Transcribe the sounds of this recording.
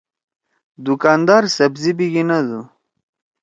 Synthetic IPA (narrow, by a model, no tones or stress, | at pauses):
d̪ukaːnd̪aːɾsɐbzibiɡinɐd̪u